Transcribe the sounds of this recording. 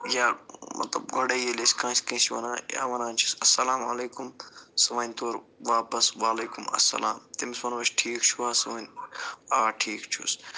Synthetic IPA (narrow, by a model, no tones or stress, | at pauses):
jaːmɐ̰t̪lɐ̰b̚ɡɐɽejelesʲkãːsʲkɐ̃ːsiʋɐ̰nãːja̰ːʋɐnaːnt͡ʃʰi̥sɐsːɐlaːmɐleːkumsɐʋɐːnʲt̪oːɾʋaːpɐsʋaːleːkumɐ̰sɐ̰laːmt̪imisʋɐnʋɐt͡ʃʈʰiːkt͡ʃʰuaːsɐʋɐnaːʈʰiːkt͡ʃʰṵs